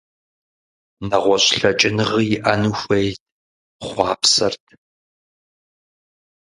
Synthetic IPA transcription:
nɐʁʷɔɕʼɬɐt͡ʃʼɪnɨʁijɪʔɐnuxʷejt | χʷɑːpsɐ̰rtʰ

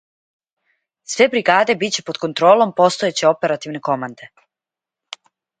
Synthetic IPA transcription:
sʋe̞bɾiɡaːd̪e̞bit͡ɕe̞po̞d̪̥̚ko̞nt̪ɾoːlˠo̞mpo̞st̪oet͡ɕe̞o̞pe̞ɾat̪iʋne̞ko̞mand̪e̞

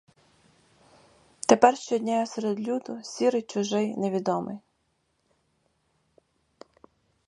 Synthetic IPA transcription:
t̪epɛrʃt͡ʃɔd̪ʲnʲajɔseɾed̪lʲud̪ʊsʲiɾɪjt͡ʃʊʒɪjneʋʲid̪ɔmɪ̰j

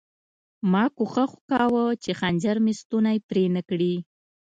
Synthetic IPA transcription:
mɑkoxəxʊkɑwət͡ʃexand͡ʒaɾmest̪unajpɾenəkɽi

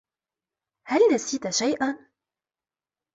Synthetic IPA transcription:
halnasiːt̪aʃajʔan

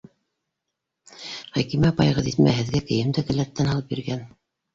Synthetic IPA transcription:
χækimæpɑjʁɤðit̪mæ̰ɦɘ̆ðɡækɘ̆jɘmd̪ɘkɘ̆læt̪ːænhɑlˠɤpbiɾɡæn

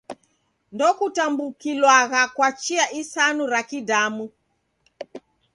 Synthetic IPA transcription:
ndɔkutambukilwaɣakwat͡ʃiaʔisanuɾakidamu

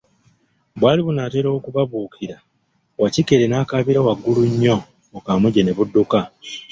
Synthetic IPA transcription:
bwaːliβunaːte̞ːɾoːkuβaβuːkiɾa | wacikeɾenaːkaːβiɾawaɡːuluɲːo̞ː | kaːmuɟene̞βudːuka

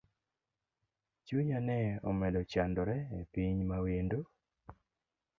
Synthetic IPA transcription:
t͡ʃuɲanɛɔmɛdɔt͡ʃandɔɾɛepiɲmawendo

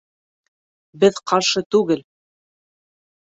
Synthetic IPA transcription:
bɘðqɑɾʃɤt̪ʉɡɘl

